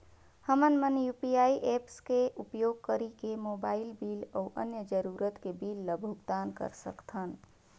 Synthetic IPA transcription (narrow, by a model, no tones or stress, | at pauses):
həmənmənjupiaiʔepskeupjoɡ̚kəɾikemobailbilə̰ʔə̰njəd͡ʒəɾuɾət̪kebilːəbʱuɡd̪ankə̰ɾsə̰kt̪ʰən